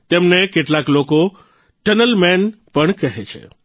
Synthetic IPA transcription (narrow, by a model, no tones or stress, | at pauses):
t̪emnekeʈlakloko | ʈənəlmɛnpəɳ̃kəɦet͡ʃʰḛ